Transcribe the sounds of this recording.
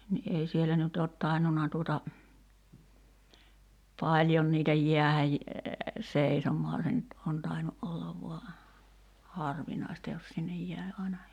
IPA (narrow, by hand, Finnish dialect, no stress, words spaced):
ni ʔei sielæ nyt oːt tɑinːunɑ tuotɑ pɑlʲjon niːtæ jiæhæj seisomˑoɑ se nyt on tɑinu ʔolːɑʋ ʋoɑ hɑrʋinɑˑi̞stɑ jos sinːej jæˑi̞ ɑinɑ